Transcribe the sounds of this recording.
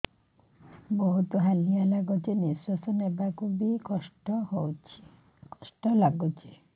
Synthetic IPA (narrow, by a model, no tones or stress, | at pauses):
boɦut̪oɦalijalaɡot͡ʃʰeniswasonebakʰubikɔʃʈɔhowt͡ɕʰi | kɔʃʈɔlaɡot͡ɕʰe